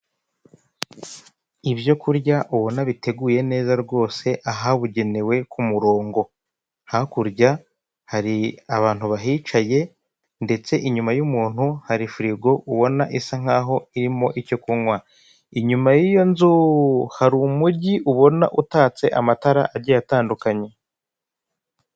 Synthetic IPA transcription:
ibjo̞kuɾɟaʔuβo̞naβite̞ɡuje̞ne̞ːzaɾɡo̞ːse̞ʔaɦaβuɟe̞newe̞kumuɾo̞ːŋɡo̞ | hakuɾɟa | haɾiaβaːn̥huβaɦit͡ʃaje̞ | nde̞t͡se̞ʔiɲumajumuːn̥huhaɾifɾiɡo̞ʔuβo̞naʔisaŋ̥aɦo̞iɾimo̞ʔico̞kuŋwa | iɲumajijo̞nzuhaɾumuɟiʔuβo̞na̰ʔutaːt͡se̞ʔamataɾa̰ʔaɾɟajataːndukaɲe

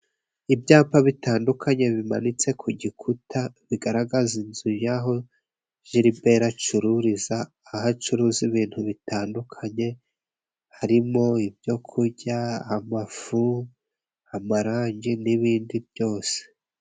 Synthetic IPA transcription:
ibjaːpaβitaːndukʰaɲe̞βimanit͡se̞kʰuɟikʰutʰaβiɡaɾaɡazinzujaɦo̞ | ʒiɾibe̞ɾat͡ʃuɾuɾizaː | hat͡ʃuɾuziβiːn̥huβitaːndukʰaɲe̞ | haɾimo̞ibjo̞kʰuɾɟahamafu | hamaɾaːɲɟiniβiːndibjo̞ːse̥

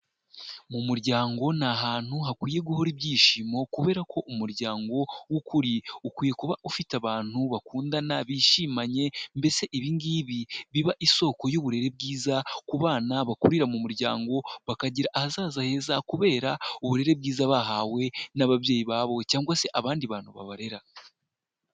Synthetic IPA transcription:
mumuɾɟaːŋɡo̞naɦaːn̥huɦakwiːje̞ɡuhoɾibɟiːʃiːmo̞kuβe̞ːɾakʰo̞ʔumuɾɟaːŋɡo̞wukuɾiukwiːje̞kuβaʔufitaβaːn̥huβakuːndanaβiʃiːmaɲe̞mbe̞se̞ʔiβiŋɡiβiβiβaʔiso̞ːko̞juβuɾe̞ɾe̞b̚ɡiːzakuβaːnaβakuɾiɾamumuɾɟaːŋɡo̞βakaɟiɾaʔːhazaːzahe̞ːzakuβe̞ːɾauβuɾe̞ɾe̞b̚ɡiːzaβaɦawe̞naβaβje̞ːjiβaːβo̞caːŋɡwase̞ʔaβaːndiβaːn̥huβa̰βaɾe̞ɾa

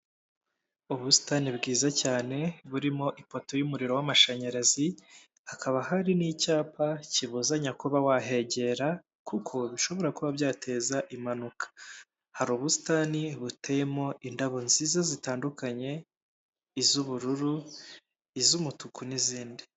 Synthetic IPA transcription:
uβusi̥taːnibɡiːzacaːne̞βuɾimo̞ʔipo̞to̞jumuɾiɾo̞wamaʃaɲaɾazi | hakʰaβahaɾinicaːpaciβuzaɲakuβawaɦe̞ɟe̞ɾa | kukʰo̞βiʃo̞βo̞ɾakuβabɟaːtʰe̞ːzaʔimanukḁ | haɾuːβusi̥taːniβutejemo̞ʔindaβo̞nziːzazitaːndukaɲe̞ | izuβuɾuɾu | izumutukuniziːndi

